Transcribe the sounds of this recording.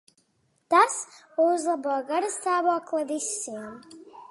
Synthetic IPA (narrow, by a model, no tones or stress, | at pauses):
t̪as | uzlˠaboːɡaɾast̪aːvoɔklˠavisːim